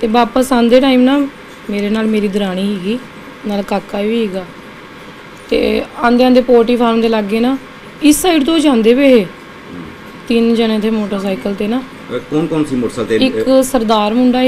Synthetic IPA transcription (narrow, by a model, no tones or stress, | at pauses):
t̪eːbaːpəsãːnd̪eːʈaːiːmnaː | meːɾeːnaːlmeːɾiːd̪əɾaːɽ̃iːɦiːɡiː | naːlkaːkːaːʋiːɦɛːɡaː | t̪ḛːãːnd̪eːaːnd̪eːpoːɾʈiːpʰaːɾmd̪eːlaɡeːnaː | ɪsaːɪʈt̪oːd͡ʒãːnd̪eːbeːɦeː | t̪ɪnd͡ʒənẽt̪ʰeːmoːʈəɾsaːɪkəlt̪eːnaː | koːnkoːnsiːmoːʈsaːt̪eɪksəɾd̪aːɾmʊɳɖaː